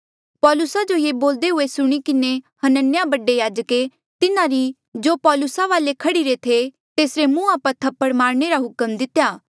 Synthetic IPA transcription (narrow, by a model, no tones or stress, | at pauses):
pɔːlʊsad͡ʒojeboːld̪eɦʊesʊɽ̃ikɪnehɐnənːjãbɐɖejaːd͡ʒəke | t̪ɪnãɾi | d͡ʒoːpɔːlʊsaʋaːlekʰɐɽiɾet̪ʰe | t̪eːsɾemũːaːpãt̪ʰɐpːəɽmaːɾɽ̃eɾaɦʊkəmd̪ɪt̪jaː